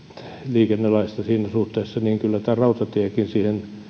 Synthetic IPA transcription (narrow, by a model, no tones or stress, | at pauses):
liːkenːelɑist̪ɑsiːnæsuht̪eːsːɑniːŋkylːæt̪æːrɑut̪ɑt̪iækinsiːhen